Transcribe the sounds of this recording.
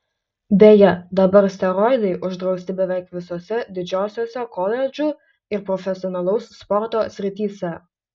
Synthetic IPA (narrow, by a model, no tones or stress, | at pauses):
d̪ʲeːjɛd̪ɐbɐɾsʲt̪ʲɛɾɔɪd̪ɐɪʔʊʒd̪ɾɒʊsʲt̪ʲɪbʲɛʋʲɛˑɪkʋʲɪsoːsʲɛd̪ʲɪd͡ʒʲoːsʲoːsʲɛkɔlʲɛd͡ʒʲʊ | ɪɾpɾɔfʲɛsʲɪɔnɐlˠɐʊsspɔɾt̪oːsʲɾʲɪt̪ʲiːsʲɛ